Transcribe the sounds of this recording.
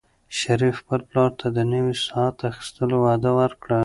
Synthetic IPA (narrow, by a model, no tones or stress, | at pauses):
ʃaɾifpəɾplɑɾt̪ʰad̪ənəwisɑat̪axi̥st̪əlowɑd̪əwəɾkɽa